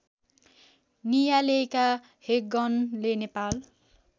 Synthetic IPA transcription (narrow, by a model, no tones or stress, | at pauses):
nijaleeka | hek̚ɡʌnlenepal